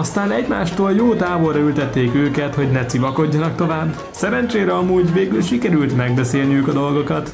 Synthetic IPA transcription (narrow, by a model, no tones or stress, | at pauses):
ɒst̪aːnɛɟma̰ːʃt̪oːljoːt̪aːbo̞rːɒylt̪ɛt̪ːeːkøːkɛt̪ho̞ɟnɛt̪sivɒko̞ɟːɒnɒk̚t̪o̞vaːbː | sɛɾɛnt͡ʃeːɾɛɒmuːɟveːɡylʃikɛɾylt̪mɛɡ̚bɛseːlniøːkɒd̪o̞lɡo̞kɒt̪